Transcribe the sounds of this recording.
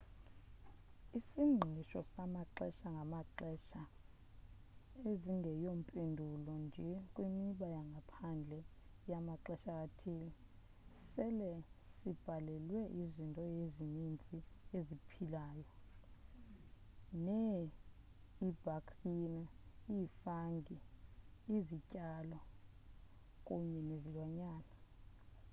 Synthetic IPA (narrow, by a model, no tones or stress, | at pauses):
isiŋ͡ǃʱiʃɔsamaǃɛʃaŋɡʱamaǃɛʃa | eziŋʱɛjom̩pʼendʱulɔnd͡ʒʱɛkʼwimiɓajaŋɡʱapʰand͡ɮʱɛ | jamaǃɛʃak̬ʼatʰiːli | sɛlɛsib̥ʱalɛlwɛʔizintʼɔjezinint͡sʼiezipʰilaːjɔ | nɛ | ib̥ʱakʰʼrinaifaŋɡʱiː | zicʼalɔ | kʼuɲɛnezilwaɲaːna